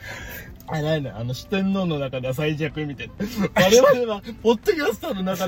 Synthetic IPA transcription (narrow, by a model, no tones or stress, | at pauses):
ananeano̞ɕɨ̥t̪ẽ̞nːo̞ːno̞nakad̪eas̬aiʑakɯmʲit̪anaβaɾe̞βaɾeβapo̞t̪ːo̞kʲasɨ̥t̪ono̞naka